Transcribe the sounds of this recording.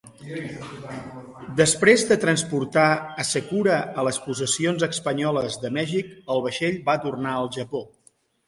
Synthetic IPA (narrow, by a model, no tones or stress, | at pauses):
d̪əspɾezðət̪ɾənspuɾt̪aəsəkuɾəələspuzəsionzəkspəɲɔləzðəmɛʒikəlˠβəʃeʎbat̪urnaəlˠʒəpo